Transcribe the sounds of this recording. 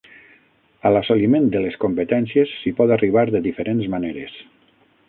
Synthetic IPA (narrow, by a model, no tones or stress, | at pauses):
alasolimẽnd̪eleskompet̪ɛnsjesːipɔt̪ariβ̞aɾðeðifeɾʔenzmaneɾes